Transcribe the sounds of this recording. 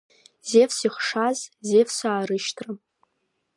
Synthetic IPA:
z̥efsiχʂazzefsaːɾɨʃtʰrɨ

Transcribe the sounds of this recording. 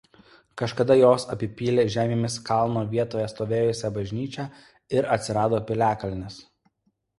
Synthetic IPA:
kɐʃkɐd̪ɐjoːsɐpʲɪpʲiːlʲeːʒʲæːmʲeːmʲɪskɑˑlˠnoːʋʲiɛt̪oːjɛst̪oːʋʲeːjʊsʲɛbɐʒʲnʲiːt͡ʃʲɛ | ɪɾɐ̰t̪ʲsʲɪɾɑːd̪oːpʲɪlʲæːkɐlʲnʲɛs

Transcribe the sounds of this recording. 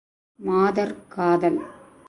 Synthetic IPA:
maːd̪ɐrkaːd̪ɐl

